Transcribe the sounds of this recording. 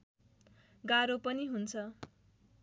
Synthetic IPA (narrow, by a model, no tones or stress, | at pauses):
ɡaɾopʌniɦunt͡sʰʌ